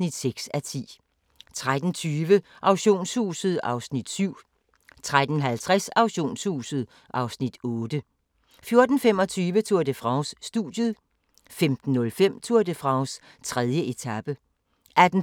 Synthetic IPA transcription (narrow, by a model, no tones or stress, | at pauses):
nid̥seɡ̥sæt͡sʰḭː | t͡sʰʁad̥n̩t͡sʰyːʋəʔɑ̈ʊɕo̝̰ːnshṵːsð̩ˠɑ̈ʊsnid̥syʊ̰ | t͡sʰʁad̥n̩ɦælt͡sʰʁasɑ̈ʊɕo̝̰ːnshṵːsð̞̩ˠ | ʔɑ̈ʊsnid̥ɔːd̥ə | fjo̝ɐd̥n̩fem̰ɒ̽t͡sʰyːʋət͡sʰuɐd̥əfʁɑ̈ʊsːd̥uðˠjəð̩ˠ | femd̥n̩ːɔ̽lfem̰t͡sʰuɐ̰d̥əfʁɑ̈ʊs | t͡sʰʁɛð̞ˠjəʔe̝t͡sʰæb̥ə | ʔæd̥n̩